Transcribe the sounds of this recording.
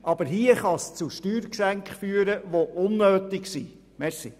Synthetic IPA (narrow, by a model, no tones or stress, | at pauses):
ʔɑb̥əɾɦiəχɑst͡suʃtyːɾksæŋkχfyːəɾəʋoʔʊnːøːt̪ɪksiː | mɛɾsḭ